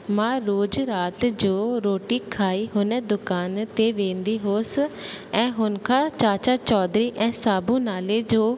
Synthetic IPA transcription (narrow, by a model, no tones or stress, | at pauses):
mãːɾoːd͡ʒɾaːt̪d͡ʒoːɾoːʈiːkʰaːiːɦʊnɛ̃ːd̪ʊkaːnt̪eːʋẽːnd̪iːɦoːsɛ̃ːɦʊnkʰaːt͡ʃaːt͡ʃaːt͡ʃɔːd̪ɾiːʔɛ̃ːsaːbũːnaːleːd͡ʒoː